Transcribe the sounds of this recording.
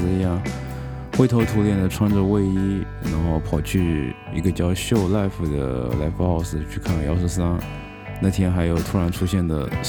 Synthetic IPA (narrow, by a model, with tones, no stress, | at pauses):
i˧˥ja˥˩ | xwe˥˩ɪt̪ʰo˧˥ʊt̪ʰu˧˥ljɛ˥˩nd̪ə˩ʈ͡ʂʰwa˥nʈ͡ʂə˥˧we˥˧ɪi˥na˧˥nxo˥˩ʊpʰɑ˨˩ʊt͡ɕʰy˥˩ | i˧˥ɡə˧t͡ɕjɑ˥˧ʊɕjo˥˧ʊla˥˧ɪfu˧˩d̪ə̰˩la̰˥˩ɪfu˧xɑ˥˧ʊʂɹ̩˥˧t͡ɕʰy˥˧kʰa˥˩˨jɑ˥ʊʂ̬̩˥˩s̬a˥n | na˥˩t̪ʰjɛ˥nxa˧˥ɪjo˨˩ʊt̪ʰu˥ɻa˧˥nʈ͡ʂʰu˥ɕjɛ˥˩nd̪ə̰˩